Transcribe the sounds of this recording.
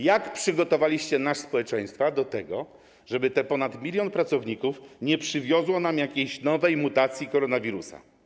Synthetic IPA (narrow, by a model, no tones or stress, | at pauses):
jakpʂɘɡɔt̪ɔvalʲiɕt͡ɕɛnaʂspɔwɛt͡ʂɛj̃st̪fad̪ɔt̪ɛɡɔ̰ | ʐɛbɘt̪ɛpɔnat̪mʲilʲjɔnpɾat̪sɔvɲikufɲɛpʂɘvʲjɔzwɔnamjakʲejɕnɔvɛjmut̪at̪sʲjikɔɾɔnavʲiɾusa̰